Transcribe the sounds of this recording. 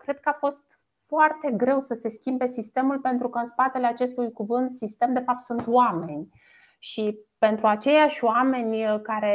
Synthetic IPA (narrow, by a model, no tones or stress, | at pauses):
kɾe̞d̪̚kəafo̞st̪ | foart̪e̞ɡɾe̞wsəse̞skʲimbe̞sist̪e̞mulpe̞nt̪ɾukəɨnspat̪e̞leat͡ʃe̞st̪ujkuvɨnt̪sist̪e̞md̪e̞fap̚t̪sunt̪wame̞nʲ | ʃipe̞nt̪ɾuat͡ʃe̞jaʃʲoame̞nʲkaɾe̞